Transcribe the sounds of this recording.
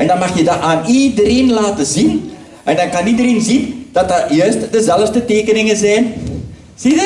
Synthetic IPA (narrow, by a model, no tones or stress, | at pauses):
ʔɛndɑnmɑxjədaaːnidəreːnlaːtəzin | ʔɛndɑnkɑnidəreːnzindɑtajœːstdəzɛləftəteːkənɪŋəzɛjn | z̥idə